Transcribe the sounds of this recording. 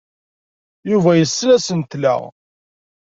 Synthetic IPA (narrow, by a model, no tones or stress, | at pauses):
juvæjəsːlæsənt̪læ̰ʁ